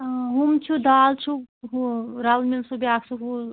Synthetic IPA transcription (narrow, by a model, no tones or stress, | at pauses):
ɦumt͡ʃʰud̪aːlt͡ʃʰuɦɾɐlmilsubiaːksuɦu